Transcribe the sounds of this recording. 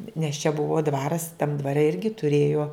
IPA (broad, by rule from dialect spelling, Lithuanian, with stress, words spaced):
nʲɛs t͡ʃʲɛ ˈbʊʋoː ˈdʋɑːrɐs tɐm dʋɐˈrʲɛ ˈɪrʲɡʲɪ tʊˈrʲeːjoː